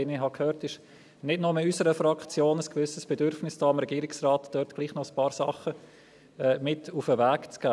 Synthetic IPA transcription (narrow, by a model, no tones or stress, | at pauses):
enɪɦɑkhøːɾtɪʃ | nɪdnʊməysəɾəfɾɑkt͡sjoːnəskvʏsəsb̥ɛdʏɾfnɪsd̥ɑːɑmɾɛɡiːɾɪksraːtd̥œːɾtɡ̥liːχnɔəspɑːɾsɑ̰χə | ɛːmɪtufəvæːkt͡sɡ̥aː